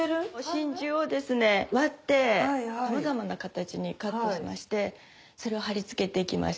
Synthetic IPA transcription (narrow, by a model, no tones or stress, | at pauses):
ɾɕĩɲd͡ʑɨːo̞d̪e̞sɨne̞βat̪ːe̞ssamazamanakat̪at͡ɕiɲ̟ikaːoɕɾima̰ɕi̥t̪e̞ | so̞ɾe̞o̞haɾʲit͡sɨ̥ke̞t̪e̞ikʲima̰ɕi